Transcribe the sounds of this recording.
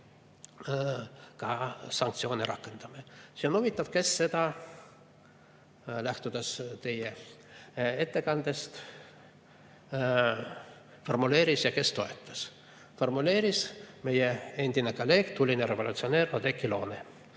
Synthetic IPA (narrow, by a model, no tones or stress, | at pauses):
kɑsɑŋk̚t̪sio̞ːniɾʔɑkːˑe̞nd̪̥ɑmesionovit̪ˑːɑb̥̚ke̞sːe̞d̪ɑ | læht̪ud̪̥est̪e̞je | e̞t̪ːe̞kɑnd̪e̞st̪ | fo̞rmule̞ːɾisjɑke̞st̪o̞e̞t̪ːˑɑ̥s | fo̞rmule̞ːɾisme̞jee̞nʲd̪̥inekolːe̞ːɡ̥t̪ulʲineɾe̞volut̪sio̞ne̞ːrɑd̪ekːilo̞ːne